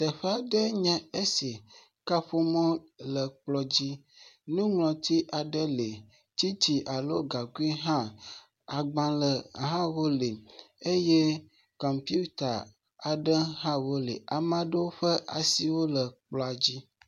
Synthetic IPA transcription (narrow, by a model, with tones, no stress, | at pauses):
t̪ɛ˨ɸe˦a˨ɖɛ˦ɲɛ̃˦e˦si˨ | ka˦ɸo˦mɔ̃˦lə˨k͡plɔ˦d͡ʑi˦ | nũ˦ŋlɔ̃˨t̪i˦ʔa˨ɖə˦le˨ | t͡ɕi˦t͡ɕi˨ʔa˨lo˦ɡa˨ɡu˦i˦ɦã˦ | a˨ɡ͡bã˦lə˨ɦã˦wo˦le˨ | e˦je˦ | kɔ˨mpju˦t̪a˨ | a˨ɖə˦ɦã˦wo˦lḛ˨a˨mã˦ɖe˦wo˦ɸɛ˦ʔa̰˨si˨wo˦lə˨k͡plɔ˨a˨d͡ʑi˦